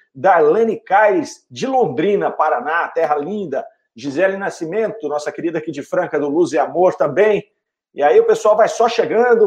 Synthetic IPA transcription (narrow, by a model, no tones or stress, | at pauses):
d̪ɐlɐ̃nikajsd͡ʒɪlõnd̪ɾĩnɐpaɾanat̪ɛɦɐlĩnd̪ɐ | d͡ʒizɛlɪnasimẽnt̪ʊnɔsɐkeɾid̪ɐakid͡ʒɪfɾɐ̃kɐd̪ʊluzɛamoɾt̪ɐ̃mbẽj̃ | iaiʊpesuawvajsɔʃeɡɐ̃d̪ʊ